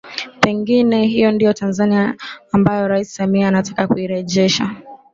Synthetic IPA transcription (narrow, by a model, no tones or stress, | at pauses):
pɛŋɡinɛhijɔndijɔtanzaniaːmbajɔɾaisi̥samiaːnatḁkakuiɾɛʄɛʃa̰